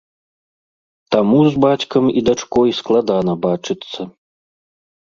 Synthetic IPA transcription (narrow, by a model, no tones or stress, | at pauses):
t̪amuzbat͡sʲkɐmid̪at͡ʂkɔjsklˠad̪anɐbat͡ʂɨt̪sːɐ